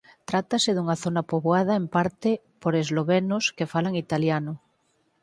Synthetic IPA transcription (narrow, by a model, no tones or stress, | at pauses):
t̪ɾat̪aseðuŋaθonapoβwað̞aempaɾt̪e | poɾezloβenoskefalaŋit̪aljanʊ